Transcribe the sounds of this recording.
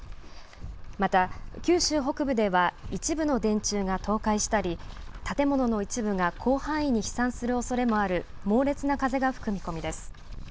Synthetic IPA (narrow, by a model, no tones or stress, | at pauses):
mat̪akʲɨːɕɨːɦo̞kɯ̟bɯ̟d̪e̞βait͡ɕibɯ̟no̞d̪ẽ̞ɲ̟t͡ɕɨːɡat̪o̞ːkaiɕi̥t̪aɾʲit̪at̪e̞mo̞no̞no̞it͡ɕibɯ̟ŋakʰo̞ːhãɰ̃ĩɲ̟ːiçi̥sãɰ̃sɨɾɯ̟o̞so̞ɾe̞mo̞aɾɯ̟mo̞ːɾe̞t͡sɨnakaze̞ɡaɸɯ̟̥kɯ̟mʲiko̞mʲid̪e̞sɨ̥